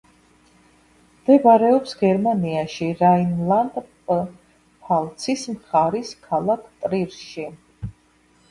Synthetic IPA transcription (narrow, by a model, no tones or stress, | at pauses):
md̪̥ɛbaɾɛɔpsɡɛɾmaniaʃiɾainlˠand̪pʼ | pʰalˠt̪sʰismχaɾiskʰalˠakʰt̪ʼɾiɾʃi